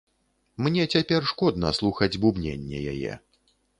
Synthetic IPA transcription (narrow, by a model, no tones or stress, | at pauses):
mnʲɛt͡sʲapʲɛrʂkɔd̪nɐ̰slˠuxɐd͡zʲbubnʲḛnʲːɛ̰ja̰jɛ̰